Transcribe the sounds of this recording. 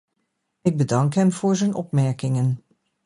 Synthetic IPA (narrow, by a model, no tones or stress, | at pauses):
ɪɡ̚bədɑŋkɦɛmv̥ʊːɹzɛnɔpmɛɹkɪŋən